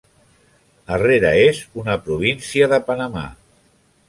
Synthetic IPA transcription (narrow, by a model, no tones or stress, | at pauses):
əreɾəezunəpɾuβ̞insiəðəpənəma̰